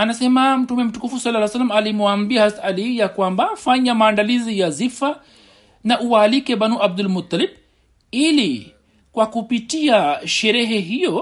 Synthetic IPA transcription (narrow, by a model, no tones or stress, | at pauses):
anasɛmam̩tumɛm̩tukufusalːaajsalːamalimwambiahasaaliijakwambafaɲamaːndalizijazifa | naʔuwalikɛbanuʔab̚d̪ulmut̪ːalib | ili | kwakupitiaʃɛɾɛɦɛɦijɔ